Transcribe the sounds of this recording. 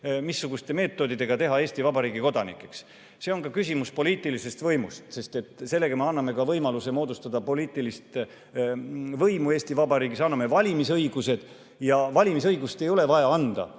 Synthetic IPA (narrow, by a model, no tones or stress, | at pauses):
misːuɡ̥ust̪e̞me̞ːt̪ːˑo̞d̪̥id̪e̞ɡ̥ɑt̪e̞ɦɑe̞ːsʲt̪ivɑbɑɾiːɡiko̞d̪ɑnḭkːˑe̞ks | se̞o̞nkɑkys̬ʲimuspo̞liːt̪ːˑilise̞st̪vɤ̞jmust̪se̞st̪e̞t̪ˑse̞lːe̞ɡ̥ɑmeɑnːɑme̞kɑvɤjmɑluse̞mo̞ːd̪ust̪ɑd̪̥ɑpo̞liːt̪ˑilist̪ | vɤjmue̞ːsʲt̪ivɑbɑɾiːɡisɑnːɑme̞vɑlʲimisɤiɡ̥use̞d̪̥ | jɑvɑlʲimis̬ɤjɡ̥ust̪e̞jo̞le̞vɑjɑɑnd̪̥ɑ̰